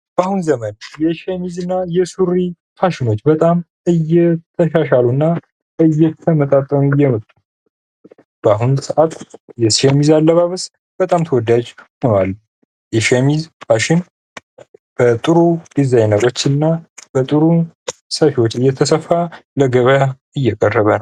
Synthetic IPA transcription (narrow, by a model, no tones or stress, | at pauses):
b̥ahunzəmənjɛʃemizɨnːajɛsuɾikʰaʃɪno̞t͡ʃːbət̪ʼam | ɨjːɛt̪ʰəʃaʃalunːa | ɨjːɛt̪ʰəmət̪ʼat̪ʼːəmujːɛmət̪ʼːu | b̥əaɦunsəʔat̪jɛsemizalːəβaβəs | b̥ət̪ʼamt̪ʰəwɔd̪ad͡ʒhonwal | jɛʃemizhʰaʃɪn | b̥ət̪ʼɨɾud̪̥izajnəɾo̞t͡ʃːɨnːab̥ət̪ʼɨɾusəfiwot͡ʃːɨjːɛt̪ʰəsəfːaləɡəβja | ɨjːɛkʼərːəβənəw